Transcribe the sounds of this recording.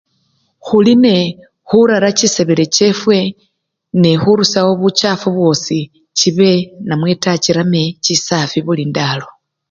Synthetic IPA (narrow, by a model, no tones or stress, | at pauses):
xuline̞ | xuɾaɾaciseβeɾe̞ce̞fwe̞ | nexuɾusawoβut͡ʃafuβwo̞si | ciβe̞namwe̞taciɾame̞cisafiβulindalo̞